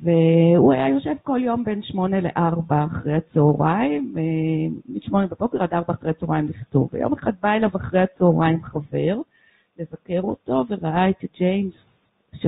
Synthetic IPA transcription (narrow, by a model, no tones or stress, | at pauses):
veuajajo̞ʃe̞vko̞ljo̞mbe̞nʃmo̞nelḛʔaʁbaːχʁejat͡sooʁaimemiʃmo̞nebebo̞keʁadaʁbaaχʁejat͡soʁajimliχto̰va̰jo̰meχad̪̚baelavaχʁejhat͡sooʁajimχave̞ʁ | le̞zake̞ʁoto̞ve̞ʁaʔaet̪id͡ʒejms | ʃ